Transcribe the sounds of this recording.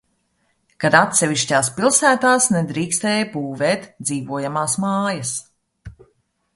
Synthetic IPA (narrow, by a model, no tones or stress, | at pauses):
kad̪at̪sʲɛviʃcaːspilˠsæːt̪aːsnɛd̪ɾiːkst̪ɛːjpuːvɛːt̪d̪ziːvuɔjamaːsmaːjɐs